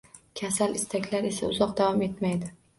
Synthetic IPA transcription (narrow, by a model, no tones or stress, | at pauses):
kʲʰasalɪst̪ʰakʲlaɾe̞sa̰ʊzɒqd̪avɒme̞t̪majd̪ɪ